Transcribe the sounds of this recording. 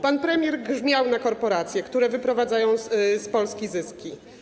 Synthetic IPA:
panpɾɛmʲjɛɾɡʐmʲjawnakɔɾpɔɾat̪sʲjɛkt̪uɾɛvɘpɾɔvad̪zajɔ̃w̃spɔlskʲizɘskʲi

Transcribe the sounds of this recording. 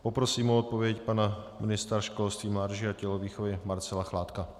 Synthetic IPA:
pɔpɾɔsiːmuɔt̪̚povjɛcpanaminist̪aɾʃkɔlst̪ʋiːmlaːd̪ʒiacɛlɔʋiːxoʋɛmaɾt͡sɛlaxlaːt̪ka

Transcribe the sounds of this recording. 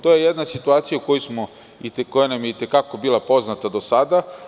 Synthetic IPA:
t̪o̞je̞jed̪nasit̪uaːt̪sijauko̞jusmo̞ | iko̞janamjeit̪ekako̞bilˠapo̞znat̪ad̪o̞sad̪a

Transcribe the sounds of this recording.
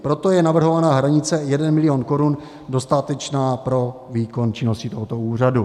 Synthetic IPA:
pɾo̞t̪o̞jɛnavr̩ɦo̞vanaːɦɾaɲɪt͡sɛjɛdɛnmɪlɪoːnko̞ɾun | do̞st̪at̪ɛt͡ʃnaːpɾo̞ | viːko̞nt͡ʃɪno̞scɪt̪o̞ɦot̪o̞uːr̝adu

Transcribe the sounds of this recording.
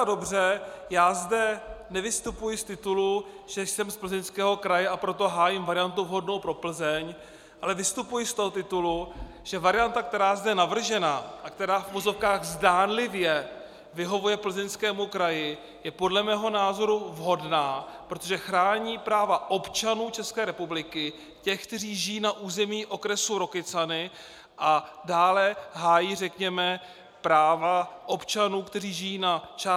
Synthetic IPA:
ado̞brɛjaːzdɛnɛvɪst̪upujɪst̪ɪt̪uluʒ̥ɛjsɛmspl̩zɛnskɛːɦo̞kɾajɛʔapɾo̞t̪o̞ɦaːjɪmvaɾɪjant̪uvɦo̞dno̞wpɾo̞pl̩zɛɲ | ʔalɛvɪst̪upujɪst̪oɦot̪ɪt̪ulu | ʒ̥ɛvaɾɪjant̪ak̚t̪ɛɾaːzdɛnavr̩ʒɛnaːʔak̚t̪ɛɾaːfuvozo̞fkaːɣzdaːnlɪvjɛ | vɪɦo̞vujɛpl̩zɛnskɛːmukɾajɪ | jɛpo̞dlɛmɛːɦo̞naːzo̞ɾuvɦo̞dnaːpɾo̞t̪oʒɛxɾaːɲiːpɾaːvaʔo̞pt͡ʃanuːt͡ʃɛskɛːɾɛpublɪkɪ | cɛxkt̪ɛriːʒɪjiːnaʔuːzɛmiːʔo̞kɾɛsuɾo̞kɪt͡sanɪ | ʔadaːlɛɦaːjiːrɛkɲɛmɛ | pɾaːvaʔo̞pt͡ʃanuːkt̪ɛriːʒɪjiːnat͡ʃa

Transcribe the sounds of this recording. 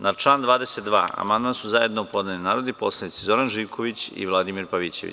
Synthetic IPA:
nat͡ʃlˠaːnd̪ʋaːd̪eset̪d̪ʋa̰ːa̰mand̪mansuzaje̞d̪nopo̞d̪neninaːɾod̪ipo̞slˠanit̪sizo̞ɾanʒiːʋkʰo̞ʋit͡ɕḭʋlˠad̪imiɾpaʋit͡ɕe̞̰ʋḭ

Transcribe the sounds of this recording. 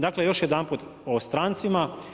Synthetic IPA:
d̪aːklejo̞ʃjed̪anput̪ost̪ɾaːnt̪sima

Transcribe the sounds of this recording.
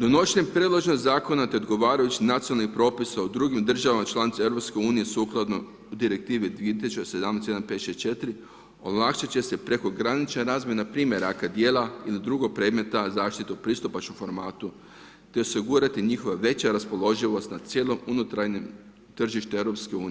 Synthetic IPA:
d̪onot͡ʃnempɾed̪lˠoʒnozaːko̞nat̪e̞o̞d̪ɡo̞ʋaːɾajut͡ɕinat̪sionalnixpɾo̞ːpisaud̪ɾuɡimd̪r̩ʒaʋamat͡ʃlˠanit̪saevɾo̞pskeuːnijesuːklˠad̪no̞ | ud̪iɾe̞k̚t̪iːʋid̪ʋiet̪isut͡ʃd̪ese̞d̪amnesj̪anped̪eset͡ʃe̞t̪iɾi | olˠakʃat͡ɕe̞se̞pɾe̞ko̞ɡɾanit͡ʃnaɾaːzmʲjenapɾiːmʲje̞ɾakad̪je̞ːlˠailid̪ɾuɡo̞k̚pɾe̞d̪me̞t̪azaːʃt̪it̪eupɾist̪upat͡ʃomfo̞ɾmaːt̪u | t̪e̞o̞siɡuɾat̪iɲixo̞ʋaʋe̞t͡ɕaɾaspo̞lˠo̞ʒiʋo̞st̪nasje̞ːlˠo̞munut̪ɾaɾɲem | t̪r̩ʒiʃt̪ue̞ʋɾo̞pske̞uːni

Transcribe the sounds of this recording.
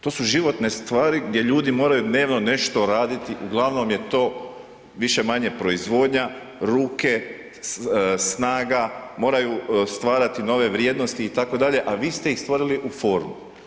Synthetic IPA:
t̪o̞ːsuʒiʋo̞t̪ne̞st̪ʋaːɾiɡd̪je̞ʎuːd̪imoːɾajud̪ne̞ːʋno̞ne̞ʃt̪o̞ɾaːd̪it̪iʔuɡlˠaʋno̞mje̞t̪o̞ː | ʋiʃe̞maɲe̞pɾo̞izʋo̞ːd̪ɲa | ɾuːke̞ | snaːɡamo̞ːɾajust̪ʋaːɾat̪ino̞ʋe̞ʋɾje̞ːd̪no̞st̪iːt̪ako̞d̪aʎe̞ʔaʋiːst̪e̞ixst̪ʋoɾiliʔufo̞ɾmu

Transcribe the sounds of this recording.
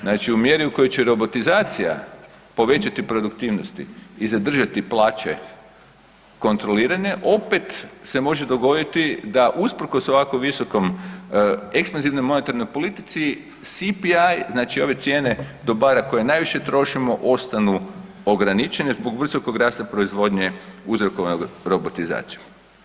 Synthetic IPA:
znaːt͡ʃiumje̞ɾiuko̞jot͡ɕeɾo̞bo̞t̪izaːt̪sija̰ | po̞ʋe̞t͡ʃat̪ipɾo̞d̪ukt̪iːʋnost̪ḭːzad̪r̩ʒat̪iplˠaːt͡ʃe̞̰ | ko̞nt̪ɾo̞liːɾaɲe̞ʔo̞pe̞t̪se̞mo̞ʒe̞d̪o̞ɡo̞d̪it̪id̪aʔuspr̩ko̞so̞ʋakoʋiso̞ko̞m | ekspanziʋno̞jmo̞ne̞t̪aɾno̞jpo̞lit̪i̥t̪si | sipiajznaːt͡ʃio̞ʋe̞t̪sjene̞d̪o̞baɾako̞je̞naːjʋiʃe̞t̪ɾo̞ʃimo̞ʔo̞st̪anu | o̞ɡɾanit͡ʃenezbo̞ɡʋr̩so̞ko̞ɡɾaːst̪apɾo̞izʋo̞d̪ɲeuzɾoko̞ʋanoɡɾo̞bot̪iza̰ːt̪siju

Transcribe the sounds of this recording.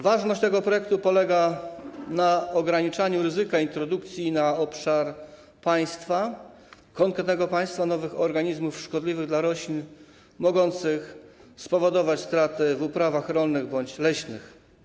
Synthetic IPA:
vaʐnɔɕt͡ɕt̪ɛɡɔpɾɔjɛk̚t̪upɔlɛɡa | naɔɡɾaɲit͡ʂaɲuɾɘzɘkaint̪ɾɔd̪ukt̪sʲjinaɔpʂaɾ | paj̃st̪fa | kɔŋkɾɛt̪nɛɡɔpaj̃st̪fanɔvɘxɔɾɡaɲizmufʂkɔd̪lʲivɘɣd̪laɾɔɕlʲin | mɔɡɔnt̪sɘxspɔvɔd̪ɔvat͡ɕst̪ɾat̪ɘvupɾavaxɾɔlnɘɣbɔɲt͡ɕlɛɕnɘ̰x

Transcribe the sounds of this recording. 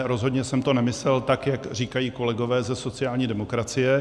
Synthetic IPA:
ɾo̞zɦo̞dɲɛsɛmt̪o̞nɛmɪslɛlt̪akjakr̝iːkajiːko̞lɛɡo̞vɛːzɛso̞t͡sɪaːlɲiːdɛmo̞kɾat͡sɪjɛ

